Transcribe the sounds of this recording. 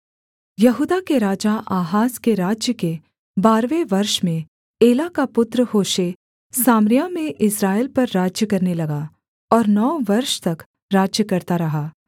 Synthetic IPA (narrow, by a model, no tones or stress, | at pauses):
jɐɦuːd̪akeɾaːd͡ʒaʔaːɦaːskeɾaːd͡ʒjəke | baːɾʋeʋɐɾʃmẽ | eːlakapʊt̪ɾəhoːʃe | saːmɾɪjamẽʔɪsɾaːelpɐɾːaːd͡ʒjəkɐɾnelɐɡa | ɔːɾnɔːʋɐɾʃt̪ɐk | ɾaːd͡ʒjəkɐɾt̪aɾɐɦaː